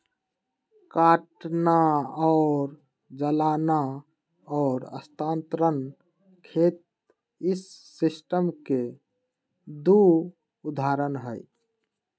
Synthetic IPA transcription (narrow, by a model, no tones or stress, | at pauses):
kaʈnaɔʊɾ | d͡ʒəlana | ɔːɾə̰st̪ant̪ɾən | kʰet̪̚ | isːisʈəmke | d̪u | ud̪ʱaɾənɦəj